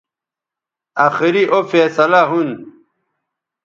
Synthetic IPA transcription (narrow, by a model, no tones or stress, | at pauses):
aːxiɾiʔofeːsɐlaɦun